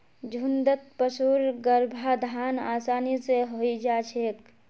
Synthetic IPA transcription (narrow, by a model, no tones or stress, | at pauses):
d͡ʒʱund̪ət̪̚pəsuːɾɡəɾbʱad̪ʱaːnaːsaːniseɦoid͡ʒat͡ʃʰeːk